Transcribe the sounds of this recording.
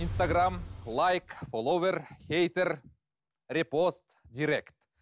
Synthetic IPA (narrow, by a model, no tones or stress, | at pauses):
inst̪aɡramlˠajkfolˠowverxejt̪er | rʲipost̪ | d̪ʲiɾʲekt̪